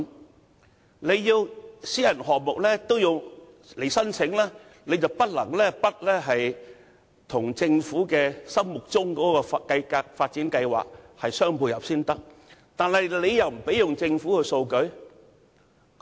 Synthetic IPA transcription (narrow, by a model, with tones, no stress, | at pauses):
le˨˧jjiː˧wsiː˨˥jɐ˨˩nɦɔː˨k̚mʊ˨k̚lɛː˥t̪o˥wjʊ˨ŋ | le˨˩jsɐ˥nt͡sʰɪ˨˥ŋlɛː˥ | le˨˧t͡sɐ˨wpɐ˥t̚lɐ˨˩ŋlɛː˥pɐ˥t̚lɛː˥ɦɐ˨j | t̪ʰʊ˨˩ŋt͡sɪ˧ŋfuː˨˥kɛː˧sɐ˥mmʊ˨k̚t͡sʊ˥ŋkɔː˨˥kɔː˧fkɐ˧jka˧faː˧t̚t͡siː˨˥nkɐ˧jwa̰ː˨k̚hɐ˨jsœː˥ŋpuː˧jɐ˨p̚siː˥nt̪ɐ˥k̚t̪aː˨nhɐ˨jle˨˧jjɐ˨wm̩˨˩pe˨˥jʊ˨˩ŋt͡sɪ˧ŋfuː˨˥kɵ˧so˧wkɵ˨˥ɥ